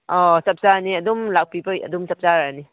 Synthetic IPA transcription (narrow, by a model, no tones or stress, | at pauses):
ɔsɐp̚zaniɐdumlak̚pibɯjɐ̰dumsɐp̚zaɾani